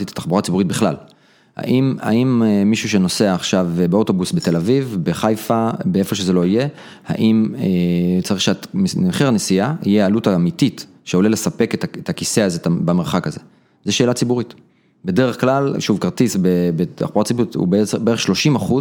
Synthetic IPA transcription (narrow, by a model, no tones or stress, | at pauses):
it̪ḁtaχbuʁat͡sibuʁit̚biχla̰l | ha̰ʔima̰imeːiʃuʃeno̞seaːχʃavbeo̞to̞busbete̞lavivbeχajfabee̞fo̞ʃe̞ze̞lo̞ije̞ | ha̰ʔimet͡saʁiχʃeaχiʁanesiahḭjeealutaːmitit | ʃeolele̞sape̞ketaet̪ʰakise̞azetabameʁχakaze̞ | zeʃeːlat͡sibuʁit | bede̞ʁeχklalʃuvkaʁt̪isbebeta̰χbuʁatt͡sibuʁitṵbeebee̞eχʃlo̞ʃimaχuz